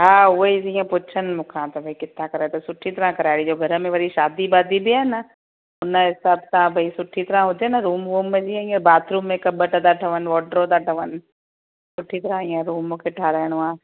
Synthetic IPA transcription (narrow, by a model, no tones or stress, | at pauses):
ɦãːʊeizijãpʊt͡ʃʰənmʊkʰãːt̪ɐbʱɐikɪt̪ãkɐɾaːt̪esʊʈʰːit̪ɐɾãkɐɾaːjɽid͡ʒoːɡʱɐɾmẽʋɐɾiʃaːd̪ibaːd̪ibʱiɦɛːna | ʊnaɦɪsaːb̚t̪ãbʱɐisʊʈʰːit̪ɐɾãɦod͡ʒenaɾuːmʋoːmːẽd͡ʒiãjãbaːt̪ʰɾuːmːẽkɐbəʈad̪aːʈʰəʋənʋɔːɖɾod̪aːʈʰəʋən | sʊʈʰːit̪ɐɾãĩãɾuːmõkeʈʰaːɾəːɽ̃ʋãː